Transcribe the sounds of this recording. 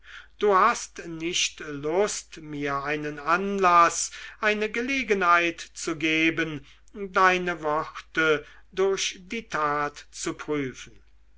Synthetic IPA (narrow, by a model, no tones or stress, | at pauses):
d̥uːhast̪nɪʃtlʊstmiːɐaɪnənanlasʔaɪnəɡəleːɡənhaɪtt͡suɡeːbən | daɪnəvɔχt̪ədʊɐʃd̥iːtʰaːtt͡supʁ̥yːfən̩